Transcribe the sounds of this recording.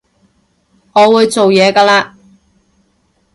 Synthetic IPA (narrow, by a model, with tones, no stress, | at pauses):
ŋɔː˨˧wuː˨˧jt͡so˨wjɛː˨˧kaː˧laː˧